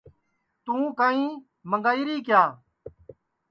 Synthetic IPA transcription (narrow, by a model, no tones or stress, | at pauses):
t̪ũːkaːĩː | məŋɡaːiːɾiːkjaː